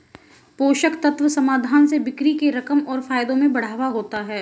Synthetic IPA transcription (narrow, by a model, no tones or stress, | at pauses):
poːʃəkt̪ɐt̪ʋəsɐmaːd̪ʱaːnsebɪkɾikeɾɐkəmɔːɾfaːjd̪õmẽbɐɽ̤aːʋaɦoːt̪aɦɛː